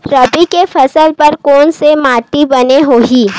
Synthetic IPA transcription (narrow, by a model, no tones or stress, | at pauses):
ɾɐpikefʰɐsəlpɐɾkɔːnsemaːʈibɐneɦoːɦiː